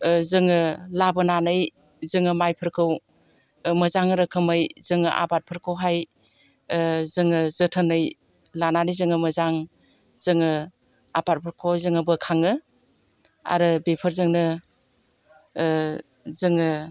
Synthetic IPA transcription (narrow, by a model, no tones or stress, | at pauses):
zɯŋɯlabɯnanɯj | zɯŋɯmajpʰɯɾkʰɯw | məzaŋɾɯkʰɯmɯjzɯŋɯ̰ʔa̰pat̚pʰɯɾkʰɯwɦaj | zɯŋɯzɯtʰənɯj | lananɯjzɯŋɯmɯzaŋ | zɯŋɯ | apat̚pʰɯɾkʰowzɯŋɯbɯkʰaŋɯ | a̰ɾɯbepʰəɾzɯŋnɯ | zɯŋɯ